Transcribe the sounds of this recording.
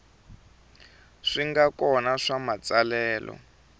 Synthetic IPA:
ʂiŋɡakɔnaʂamat͡salɛːlʔɔ̰

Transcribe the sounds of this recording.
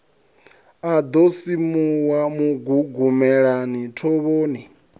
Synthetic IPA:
ad̪osimuwamuɡuɡumɛɺanitʰɔβoːni

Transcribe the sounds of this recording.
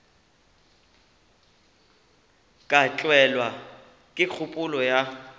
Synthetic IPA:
kʼat͡ɬʼwɛlwa | kʼɪk͡xʰʊpʼʊlɔja

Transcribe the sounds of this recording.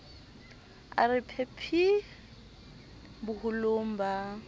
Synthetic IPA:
a̰rɪpʰepʰi | bʊhʊlom̩ba

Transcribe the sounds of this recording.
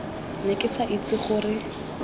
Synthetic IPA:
nekʼɪsaʔit͡sɪχʊrɪ

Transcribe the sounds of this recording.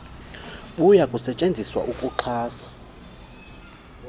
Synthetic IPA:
ɓujakʼusɛt͡ʃʼend͡zʱiswa̰ʔukʼuǃʰaːsḁ

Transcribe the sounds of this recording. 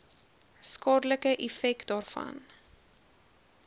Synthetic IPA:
skɑːdələkəʔɛfɛkdɑːrfɐ̰n

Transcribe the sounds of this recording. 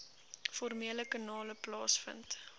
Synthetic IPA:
fɔrmiələkɑnɑːləplɑːsfə̰nt

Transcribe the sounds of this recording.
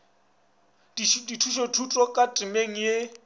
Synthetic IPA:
diditʰuʃotʰutʼɔkʼatʼɪmeŋ̩je

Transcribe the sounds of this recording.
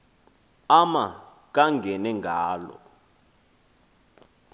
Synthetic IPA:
ama | k̬aŋɡʱɛnɛŋɡʱaːlɔ̰

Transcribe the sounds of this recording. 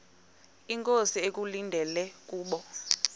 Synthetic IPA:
iŋkʼosiek̬ʼulindʱɛlɛkʼuːɓɔ

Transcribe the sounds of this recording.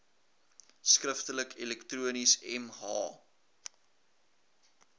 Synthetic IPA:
skrəftələkʰilɛktruənisɛ̰mhɑ̰ː

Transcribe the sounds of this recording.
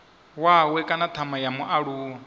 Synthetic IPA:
wawɛkʼanat̪ʰamajamuʔaɺuːa

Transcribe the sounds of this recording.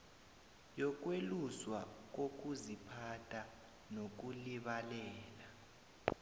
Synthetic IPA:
jɔk̬weluswak̬ok̬uzipʰatʰʼa | nok̬uliɓalɛːla

